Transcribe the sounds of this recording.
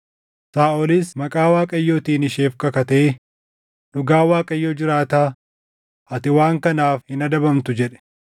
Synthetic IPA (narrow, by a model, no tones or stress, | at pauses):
saːʔɔlɪsmɐkʼaːwaːkʼɐjːoːt̪iːnɪʃe̞ːfkɐkɐt̪e | nʊɡaːwaːkʼɐjːoːd͡ʒɪɾaːt̪aː | ɐt̪ɪwaːŋkɐnaːfhɪnɐd̪ɐbɐmt̪ʊd͡ʒɛᶑɛ̥